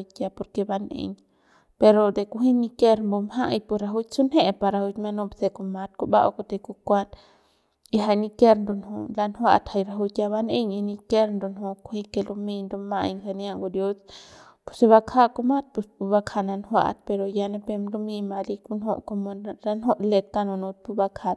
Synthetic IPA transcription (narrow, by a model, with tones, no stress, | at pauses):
tʲja˧po˧ɾke˧ba˧nḛ˧ɲ | pe˧ɾo˧d̪e˨ku˧ɦi˦ni˧ke˧ɾmbo˧mɦa˦˨jpu˧ɾa˧ɦu˦su˦nhe˦˧pa˧ɾa˧hu˧t͡ʃma˧no˧bse˧ko˧ma˧t̪̚ko˧ba̰˦ʔo̰˧ko˧t̪e˧ku˧kʷa˦t̪ | i˧ɦa˧jni˧ke˦ɾnd̪u˧nhu˧la˧nhwa̰˧t̪ha˧jɾa˧ɦu˧t͡ʃja˧βa˧ne˦ɲi˧ni˧ke˦ɾnd̪u˧nɦo˧ku˧˦hi˧ke˧lu˧mi˧nd̪u˧ma˧i˧ŋka˧nja˧ŋɡu˧d̪jo˦s | pu̥˧se˧βa˧kʰa˦ku˧ma˦t̪̚pu˧spu˧ba˧kʰa˧na˧nhwa̰˧ʔt̪̚pe˧ɾo˧ja˧ne˧pe˧mlu˧mi˧ma˧li˧ku˧nho̰˧ʔko˧mo˧la˧nɦo˦ʔle˧t̪̚ka˧no˧nu˧t̪̚pu˧ba˧kʰa˧t̪̚